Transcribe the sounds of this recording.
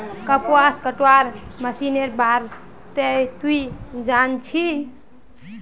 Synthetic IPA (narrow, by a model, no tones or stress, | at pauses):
kəpoaskəʈaɾməsineɾbaɾ | t̪ejt̪uid͡ʒant͡ʃʰi